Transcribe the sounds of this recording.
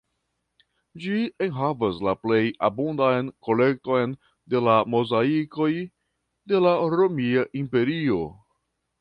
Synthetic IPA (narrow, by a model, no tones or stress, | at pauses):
d͡ʒienɦavaslaple̞jabondajnko̞le̞k̚to̞jn | de̞lamo̞zaiko̞j | de̞laɾomiaʔimpe̞ɾio̞